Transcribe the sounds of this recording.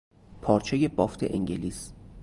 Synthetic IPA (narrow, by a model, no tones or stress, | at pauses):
pʰɒːɾt͡ʃʰe̞je̞bɒːft̪ʰeʔḛŋɟeliːs